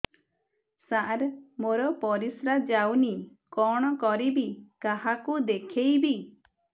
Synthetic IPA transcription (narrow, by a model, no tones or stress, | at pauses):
saʔɾmoɾɔpɔɾisɾad͡ʒawnikɔɽ̃ɔkɔɾibikaɦakud̪ekʰejbi